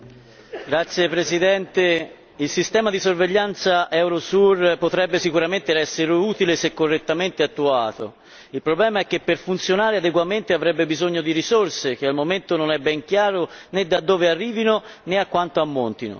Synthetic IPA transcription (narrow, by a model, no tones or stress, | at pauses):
ɡɾat̪sjepɾesid̪ɛnt̪e | ilsist̪ɛːmad̪isorveʎːant̪saʔɛwɾosurpot̪ɾɛbːesikuɾament̪eɾɛsːeɾeuːt̪ilesekːorːet̪ːament̪eat̪ːuaːt̪o̰ | ilpɾoblɛːmaɛkːepːerfunt̪sjonaːɾead̪eɡwament̪eavɾɛbːebizoɲːod̪iɾisorsek̟ealmoment̪ononɛbɛŋk̟jaːɾoned̪ad̪ːoːvearːiːvinoneakːwant̪oamːont̪ino̰